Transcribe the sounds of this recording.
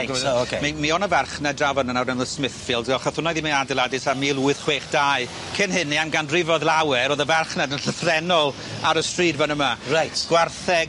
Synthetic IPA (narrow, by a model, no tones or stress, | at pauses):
okʰemimiɔnəvɛrχnɛdravɔnənawrnɛməsmɪθfɪlˠdɡɛlˠχəθʊnɔjðimiadɪlˠadɪsamiːlˠuːɨðχweːχd̥aɨ | kʰɪnɦɪnːiamɡandrɪvɔðlˠawɛɾoːðəvarχnɛdənɬəfrɛnɔlˠ | aɾəstriːdvanəmarajtɡ̥warθɛɡ